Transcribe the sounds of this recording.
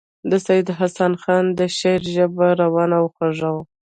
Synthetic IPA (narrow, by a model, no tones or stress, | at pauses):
d̪əsajɪd̪ɦasanxɑnd̪əʃeɾʒəbaɾawɑnawxaʐaw